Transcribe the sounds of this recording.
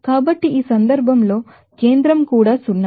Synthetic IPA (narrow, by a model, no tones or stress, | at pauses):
kaːbɐʈːiiːsɐnd̪ɐɾbʱɐmlo̞ː | ke̞ːnd̪ɾɐmkuːɽaːsunːa